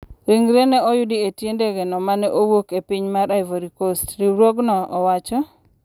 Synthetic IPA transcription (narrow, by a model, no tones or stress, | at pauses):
ɾiŋɾenɛɔjʊdietjendeɡɛnɔmanɛʔowokepiɲmaɾaɪvoɾikostɾiɾwoɡnɔɔwat͡ʃɔ